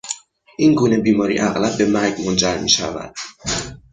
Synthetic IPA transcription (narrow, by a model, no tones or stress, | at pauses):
ʔiːnɡuːne̞biːmɒːɾḭːʔæɣlæb̚ːe̞mæɾɟmond͡ʒæɾmḭːʃæ̰væ̰d̪̥̚